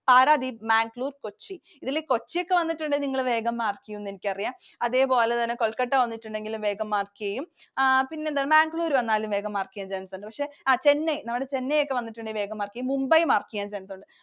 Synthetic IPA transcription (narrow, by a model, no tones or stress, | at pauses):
paːɾaːd̪imaːŋɡɭuːrko̞t͡ɕːi | iðileko̞t͡ɕːijo̞kːe̞ʋɐnːiʈːuɳɖɨniŋːɐɭʋe̞ːɡɐmːaːrkːijumnːenikʲːɐrija | ɐðeːpo̞ːlet̪ɐnːeko̞ɭkɐʈːɐʋɐnːiʈːuɳɖe̞ŋɡilumʋe̞ːɡɐmːaːrkijɐjum | pinːe̞nd̪aːnːɐmaːŋɡɭuːɾʋɐnːaːlumʋe̞ːɡɐmːaːrkːijaːɲd͡ʑensuɳɖɨpɐkʂe̞t͡ɕe̞nːɐjnɐmːuɽe̞t͡ɕe̞nːejo̞kːe̞ʋɐnːiʈːuɳɖɨʋe̞ːɡɐmːaːrkijɐjumːumbɐjmaːrkːijaːnd͡ʑeɐnsuɳɖɨ